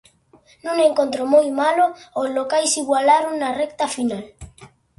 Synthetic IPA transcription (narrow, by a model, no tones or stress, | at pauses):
nũŋẽŋkont̪ɾomojmaloozlokajsiɣwalaɾoŋnarɛkt̪afinal